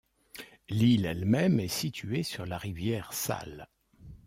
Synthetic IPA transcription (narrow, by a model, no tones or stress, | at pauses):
lilɛlmɛmɛsit̪ʰyesyʁlaʁivjɛʁsa̰l